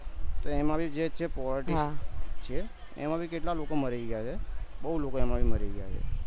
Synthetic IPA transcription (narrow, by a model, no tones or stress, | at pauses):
t̪oemãbʱid͡ʒet͡ʃʰepɔləɾʈiɦst͡ʃʰe | ḛmãbʱikeʈlalokoməɾeɡjat͡ʃʰebəɦulokoemãbʱiməɾiɡja̰t͡ʃʰḛ